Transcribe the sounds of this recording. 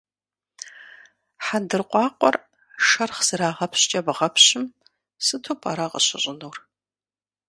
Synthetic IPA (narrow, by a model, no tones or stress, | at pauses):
ħandɨrqʷʼɑːqʷʼɔ̰r | ʂɐrχz̥ɨɾaːʁɐpɕt͡ʃʼɐbʁɐpʰɕɪm | sɨtʰoːpʰʼa̰ːɾaqə̰ɕɪɕʼɪnuːr